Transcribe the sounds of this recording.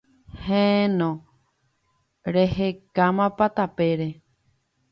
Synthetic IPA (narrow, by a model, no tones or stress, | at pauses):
hẽnõ | ɾehekamãpat̪apeɾe